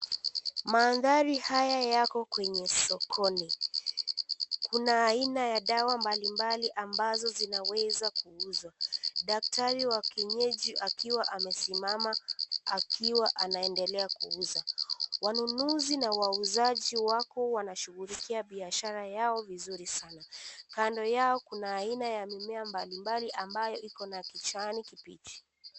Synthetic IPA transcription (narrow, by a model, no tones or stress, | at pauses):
maːðaɾihajajakɔkwɛɲɛsɔkʰɔni | kunaːinajaɗawambalimbaliʔambazɔzinawɛzakuuzwaɗak̚tʰaɾiwakiɲɛʄiʔakiwaʔamɛsimamaakiwaʔanaɛndɛlɛakuuzawanunuzinawauzaʄiwakɔwanaʃuɣulikiaɓiaʃaɾajaɔvizuɾisanakandɔjaɔkunaːinajamimɛambalimbaliʔambajɔʔikɔnakit͡ʃanikipḭt͡ʃi̥